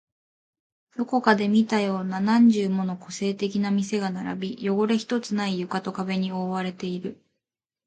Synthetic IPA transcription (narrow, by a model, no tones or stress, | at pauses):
d̪̥o̞ko̞kad̪e̞mʲit̪ajo̞ːnanãɲ̟d͡ʑɨːmo̞no̞ko̞se̞ːt̪e̞k̬ʲinamʲise̞ɡanaɾa̰bʲijo̞ɡo̞ɾe̞çi̥t̪o̞t͡sɨnaijɯ̟kat̪o̞kabe̞ɲ̟io̞ːβaɾe̞t̪e̞iɾɯ̟